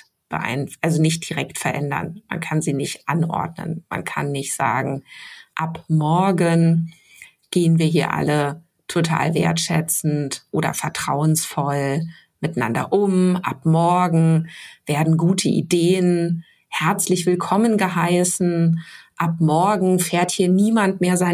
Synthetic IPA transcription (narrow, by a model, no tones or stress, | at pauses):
b̥ə̰ʔa̰ɪnʔalzonɪçt̚d̥iʁɛktfɛɐʔɛndɐ̰nma̰nkʰanziːnɪçtʔanʔɔ̰ɐdnə̰nma̰nkʰa̰nːɪçtz̥a̰ːɡŋ̩ʔapmɔɐɡən | ɡ̥eːənviːɐɦiːɐʔa̰lə | tʰotʰa̰ːlvḛːɐtʃɛt͡sn̩tʔoːɾɐ̰fɛɐtʁ̥aʊənsfɔl | mɪtana̰ndɐ̰ʔʊmʔa̰pmɔɐɡŋ̩v̥eːɐdn̩ɡuːtʰəʔḭdeːən | hɛɐt͡slɪçv̥ɪlkʰɔmənɡəɦaɪsn̩ʔap̚mɔɐɡŋ̩feːɐthiːɐniːmantmeːɐzaɪ